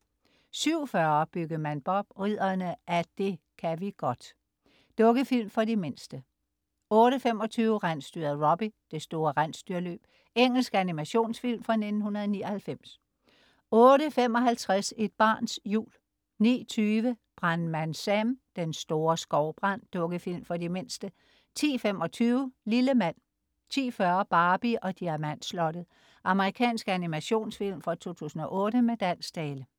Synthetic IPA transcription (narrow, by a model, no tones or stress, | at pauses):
syʊ̰fɶɐb̥yɡ̥əmænb̥ɒ̽b̥ʁið̰ˠɐnəʔæd̥e̝ | kʰæʋiɡ̥ɒ̽d̥ | d̥ɔ̽ɡəfil̰mfɒ̽dime̝nsd̥ə | ɔ̽ːɾəfem̰ɒ̽t͡sʰyːʊəʁan̰sd̥yɐðˠʁɒ̽b̥id̥e̝sd̥o̝ːɐʁan̰sd̥yɐlø̰ːb̥ | eŋ̰l̩sɡ̥ænimæɕo̝̰ːnsfil̰mfɑne̝d̥n̩hunɐðˠniːɐhælfem̰s | ɔ̽ːɾəfem̰ɒ̽ɦælt͡sʰʁase̝d̥̚b̥ɑ̰̈ːnsjṵːl | nḭːt͡sʰyːʋəb̥ʁanmænsæmd̥ensd̥o̝ːɐsɡ̥ɒʊb̥ʁɑn̰d̥ɔ̽ɡ̥əfil̰mfɒ̽dime̝n̰sd̥ə | t͡sʰḭːfem̰ɒ̽t͡sʰyːʊəliləmæn̰ | t͡sʰḭːfɶɐb̥ɑ̈ːb̥iʔɒ̽d̥iæɐmæn̰slɒ̽d̥əð̩ˠ | ʔɑ̈məʁikʰɛ̰ːnsɡ̥ænimæɕo̝̰ːnsfil̰mfʁɑ̈t͡sʰo̝̰ːt͡sʰṵːsn̩ɒ̽ʔɔ̽ːɾəmed̥æn̰sd̥ɛːlə